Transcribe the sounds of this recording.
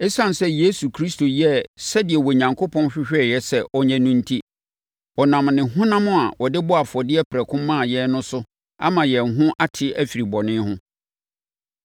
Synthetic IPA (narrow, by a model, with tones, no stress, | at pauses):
ɛ˦sã˦n˨sɛ˦je˦su˨kʰɾi˦sto˨jɛ˦sɛ˦dɪ˨ɛ˨wɔ˨ɲã˨ŋkʰo˦pʰɔ̃˦nɕᶣɪ˦ɕᶣɛ˦˨jɛ˦sɛ˦ʔɔ˦ɲɛ̃˦nũ˦n̩˦tʰi˦ | ɔ˨nã˨mnɪ̃˨hʊ̃˦nã˦mʊ̃˦a˨wɔ˨dɪ˦bɔ˦a˨fɔ˨dɪ˦ɛ˦pʰɾɛ˨kʰʊ̃˦mːã˦˨jɛ˦nʊ̃˦sʊ˦ | a̰˦mã˨jɛ˨n˨ɦʊ̃˦ʔa˦tʰɪ˦æ˦fi˨ɾi˨bɔ˨nɪ̃˦hʊ̃˦